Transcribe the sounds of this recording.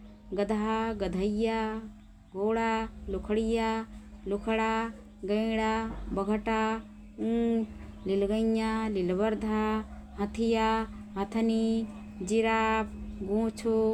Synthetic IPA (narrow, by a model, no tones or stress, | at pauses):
ɡɐd̪ʱɦaɡɐd̪ʱɐjːa | ɡoːɽalukʰɐɽijaːlukʰɐɽa | ɡɐjɽabɐɡʱɐʈa | ũ | lilɡɐɲːalilbɐɾd̪ʱaɦɐt̪ʰija | ɦɐt̪ʰɐni | d͡ʒiɾaːpɡõːt͡ʃʰo